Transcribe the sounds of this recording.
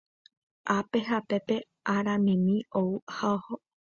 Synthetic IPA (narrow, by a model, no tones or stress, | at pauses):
ʔape̞ɦape̞pe̞ | ʔaɾãmĩmĩouhaoho